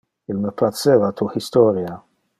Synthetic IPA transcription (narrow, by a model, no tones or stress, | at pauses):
ɪlmɛplɐt͡sːɛvɐt̪ʰuħɪst̪ɔːɾjɐ